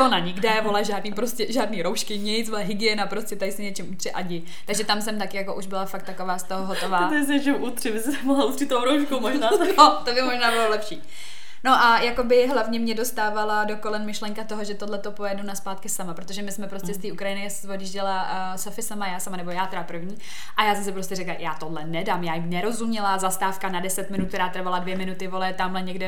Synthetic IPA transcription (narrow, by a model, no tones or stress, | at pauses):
onaɲɪɡdɛvo̞laʒaːdniːpɾoscɛʒaːdniːɾowʃkɪɲɛjt͡svolaɦɪɡɪɛnapɾoscɛt̪ajɪsɪɲɛt͡ʃɪmut̪r̥ɪʔaɟɪ | t̪aɡʒɛt̪amsɛmt̪akɪjakoʔuʒbɪlafak̚t̪akovaːst̪oɦoɦot̪o̞vaːt̪ɛs̬ɪɛt͡ʃɛwʔut̪rɪbɪsɪsɛmoɦlaut̪rit̪t̪ːowɾowʃkomoʒnaːnot̪obɪmoʒnaːbɪlolɛpʃiː | no̞ʔajako̞bɪɦlavɲɛmɲɛdo̞st̪aːvalado̞kolɛnmɪʃlɛŋkat̪oɦoʒɛt̪odlɛt̪o̞po̞jɛdunaspaːt̪kɪsamapɾot̪oʒɛmɪsmɛpɾoscɛst̪iːukɾajɪnɪjasvodjɪʒɟɛla | sofɪsamajaːsamanɛbo̞jaːt̪ɛɾapr̩vɲiː | ʔajaːsɛmsɛpɾoscɛrɛklajaːt̪odlɛnɛdamjaːjɪmnɛɾo̞zumɲɛlazast̪aːfkanadɛsɛt̪mɪnut̪̚kt̪ɛɾaːt̪r̩valadvjɛmɪnut̪ɪvolɛt̪amlɛɲɛɡdɛ